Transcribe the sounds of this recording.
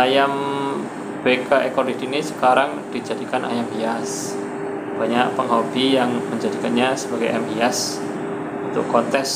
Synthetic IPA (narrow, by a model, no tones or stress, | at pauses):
ajam | b̥ekaʔekɔlidinisə̥kaɾaŋd̥id͡ʒadikanʔa̰jambias | b̥aɲaʔ̚pəŋɦobijaŋməɲd͡ʒadikanɲasəbaɡajʔɛmbias | unt̪ʊ̰kkɔt̪ɛs